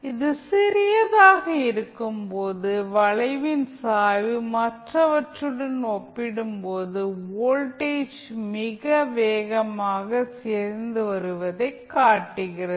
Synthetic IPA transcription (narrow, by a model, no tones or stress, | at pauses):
ɪðɯsɪɾɪjɐðaːɣɐɪɾɯkːɯmpoːðɯʋɐɭɐɪʋɪnsaːʋɯmɐʈrɐʋɐʈrɯɽɐnɔpːɪɽɯmpoːðɯoːlʈeːt͡ʃmɪɣɐʋeːɣɐmaːɣɐseːɾnd̪ɯʋɐɾɯʋɐðɐɪkːaːʈːɯɣɪrɐ